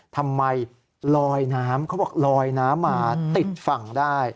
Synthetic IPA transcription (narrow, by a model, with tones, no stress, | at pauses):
t̪ʰa˧mːa˧j | lɔː˧jnaː˦˥mkʰbɔː˨˩k̚lɔː˧jnaː˦˥mːaː˧t̪i˨˩t̪̚fa˨˩ŋdaː˥˩j